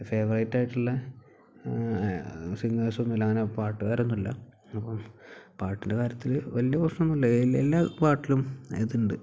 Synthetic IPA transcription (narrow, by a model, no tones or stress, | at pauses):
fe̞ːʋɐrɐjtːaːjiʈːuɭːɐ | siŋːeːsɐonːulːɐŋːɐnepaːrʈːɨkaːɾonːulːɐ̰ | ɐpːɐmpaːrʈːinde̞kaːɾjɐt̪ːilʋɐlijɐpɐʂɳɐmenːulːɐelːaːpaːrʈːilumeðiɳɖɨ